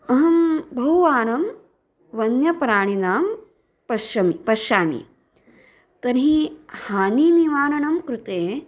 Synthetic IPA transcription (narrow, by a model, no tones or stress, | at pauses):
ɐɦɐmbʱɐɦuʋaːɳɐm | ʋɐnjɐpɾaːɳ̃inaːm | pɐʃɐmipɐʃaːmḭ | t̪ɐnɦihaːniːniʋaːɳɐɳɐmkɾut̪eː